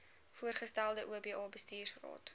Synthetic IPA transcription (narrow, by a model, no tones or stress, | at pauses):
fuərχəstælˠdəʔuəbiːʔɑːbəstiːrsχro̰ːt